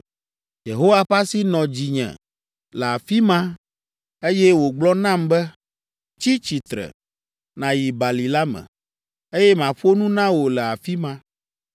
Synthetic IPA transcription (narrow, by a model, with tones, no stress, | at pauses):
je˨ɦo˦wa˦ɸa˦si˦nɔ̃˨d͡ʑi˨ɲɛ̰̃˨ | lɛ˨a˨fi˦mã˦ | e˦jɛ˦wo˨ɡ͡blɔ˦nã˦˨mbɛ˦ | t͡ɕi˦t͡ɕi˨t̪ɾɛ̰˨ | nã˨ji˨ba˨li˨la˦mɛ̰̃˨ | e˦jɛ˦mã˨ɸo˦nũ˦nã˦wo˨lɛ˨a˨fi˦mã˦